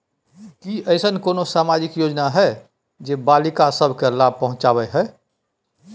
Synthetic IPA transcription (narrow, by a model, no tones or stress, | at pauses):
kiəɪsənkoːnosaːmaːd͡ʒɪkjoːd͡ʒnaɦɛ | d͡ʒeːbaːlɪkasəbʱkelaːb̚pəɦʊ̃t͡ʃaːbɛɦɛ